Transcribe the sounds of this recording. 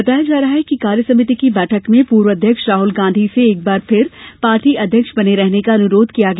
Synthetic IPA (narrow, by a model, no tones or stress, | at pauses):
bɐt̪aːjad͡ʒaːɾɐɦaɦɛkikaːɾjəsɐmɪt̪ikibɛːʈʰəkmẽpuːɾʋəɐd̪ʱjəkʃɾaːɦʊlɡãːnd̪ʱiseːk̚baːɾpʰɪɾpaːɾʈiʔɐd̪ʱjəkʃbɐneɾɛɦnekaɐnʊɾoːd̪ʱkijaɡɐ